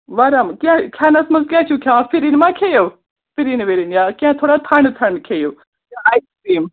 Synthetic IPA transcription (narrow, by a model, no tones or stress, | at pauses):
ʋaɾamkiãkʰjaːnɐsmɐzkʲãːt͡ʃʰukʰʲãːpʰiɾinmãːkʰeːjoː | pʰɪɾinʋeːɾinjaːkiãt̪ʰoːɽat̪ʰɐɳt̪ʰɐɳkʰeːjoː | jaajskiːm